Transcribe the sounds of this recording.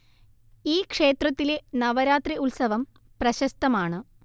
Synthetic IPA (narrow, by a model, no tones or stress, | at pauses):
iːkʂe̞ːt̪rɐt̪ːile̞nɐʋɐɾaːt̪riʔulsɐʋɐm | prɐɕɐst̪ɐmaːɳɨ